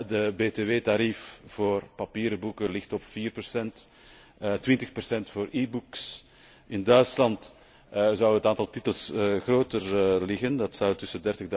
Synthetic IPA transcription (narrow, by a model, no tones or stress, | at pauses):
dəbeːteʋeːtaɾifv̥oːrpɑpiːɾəbukəlɪxtɔpfiːrpərsɛnt | ətʋɪntəxpərsɛntfoːɾiːbuks | ɪndœɥtslɑnt | zɑwətaːntɑlˠtitəlˠsɣroːtərlɪɣəndɑtsɑwtʏsədɛrtəɣd